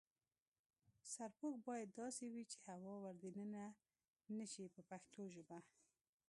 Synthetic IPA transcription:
saɾpok̚bɑjad̪ːɑsewit͡ʃehawɑwaɾd̪enəna | nəʃipəpaxt̪ʰoʒəba

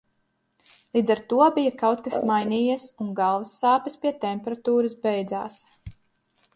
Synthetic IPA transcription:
lˠiːd̪zaɾt̪uɔbijakawt̪̚kasmajnʲiːjiɛsuŋɡalˠvɐsːaːpɐspiɛt̪ɛmpeɾat̪uːɾɐsbɛjd̪za̰ːs

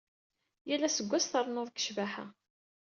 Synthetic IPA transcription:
jælːæsəɡʷːæsθəɾˤnʊðˤkə̥ʃvæħa̰

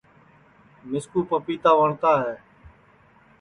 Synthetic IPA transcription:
mɪskuːpəpiːt̪aːʋəɳt̪aːɦɛː

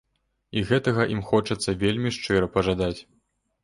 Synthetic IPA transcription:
iɣɛt̪ɐɣɐʔimxɔt͡ʂɐt̪sːɐvʲelʲmʲiʂt͡ʂɨɾɐpɐʐad̪at͡sʲ

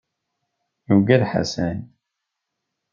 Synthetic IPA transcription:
juɡæðħa̰sæn

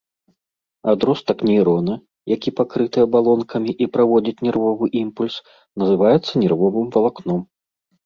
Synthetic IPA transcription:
ad̪ɾɔst̪ɐknʲɛiɾɔnɨ | jakʲipakɾɨt̪ɨjɐbalˠɔnkʰɐmʲiʔipɾavɔd͡zʲit͡sʲnʲɛrvɔvɨʔimpulʲs | nɐzɨvajɛt̪sːɐnʲɛrvɔvɨmvɐlˠaknɔm

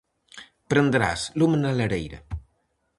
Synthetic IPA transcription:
pɾənd̪ɾa̰slumnaləɾḛjɾə̰

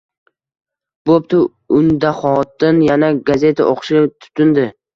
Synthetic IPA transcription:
b̥op̚t̪ʰʊ | ʊnd̪aχɒt̪ɪnjanaɡazʲe̞t̪ʰaʔoqʃɪt̪ʰʊ̥t̪ɪnd̪ɪ

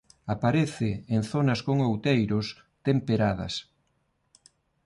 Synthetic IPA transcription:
apaɾeθɪenθonɐskoŋowt̪ejɾʊs | t̪empeɾaðɐ̰s

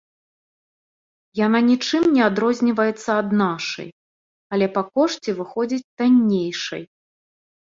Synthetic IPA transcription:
jananʲit͡ʂɨmnʲɛad̪ɾɔzʲnʲivɐjɛt̪sːɐad̪naʂɐ̰j | ɐlʲɛpɐkɔʂt͡sʲivɨxɔd͡zʲit͡sʲt̪anʲːejʂɐ̰j

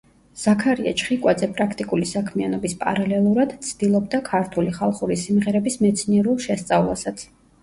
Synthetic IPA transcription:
z̥akʰaɾia̰t͡ʃʰχikʼwad̪zɛpʼɾakʰt̪ʼikʼulisakʰmianɔbispʼa̰ɾalɛlˠuɾad̪̥t̪sʰd̪̥ilˠɔbd̪akʰaɾt̪ʰuliχalˠχuɾisimʁɛɾɛbismɛt̪sʰniɛɾulˠʃɛst̪sʼavlˠa̰sat̪sʰ

